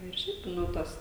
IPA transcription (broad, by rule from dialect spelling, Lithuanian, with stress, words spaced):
ɪr ˈʃʲɛɪp ˈnʊ ˈtɐs